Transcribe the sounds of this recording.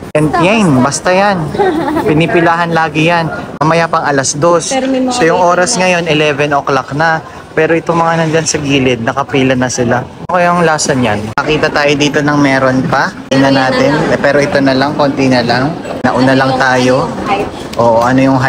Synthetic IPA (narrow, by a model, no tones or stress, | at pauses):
ʔɛnd̪jajnbɐst̪ɐjanpɪnɪpɪlaːɦɐnlaːɡɪjanʔɐmɐjapɐŋɐlɐsd̪o̞ssojʊŋʔo̞ːɾɐsŋɐjo̞nɪlɛːvɛnʔoklaknɐ | pɛːɾoʔɪt̪oŋmɐŋanɐnd͡ʒansɐɡiːlɪd̪̚nɐkɐpiːlɐnɐsɪlanokɐjŋlaːsɐnjankɐkiːt̪ɐt̪aːjod̪iːt̪o̞nɐŋmɛːɾo̞npɐʔinɐnaːt̪ɪnpɛːɾo̞ʔɪt̪o̞nɐlaŋkont̪inɐlaŋnɐʔʊnalɐŋt̪aːjo̞ | ʔoːʔoʔɐno̞jʊŋɦa